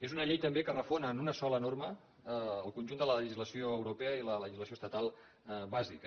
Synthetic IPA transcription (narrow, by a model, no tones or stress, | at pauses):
ezunəʎejt̪əmbekərəfonəːnunəsɔlənorməː | lˠkunʲʒund̪ələləʒizləsioəwɾupɛəilələʒizləsioəst̪ət̪alˠ | βazikə